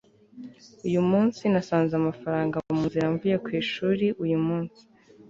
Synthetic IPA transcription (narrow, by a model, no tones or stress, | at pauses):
ujumuːnsinasaːnzamafaɾaːŋɡaamuziɾaɱvuje̞kwiːʃuːɾiʔujumuːnsi̥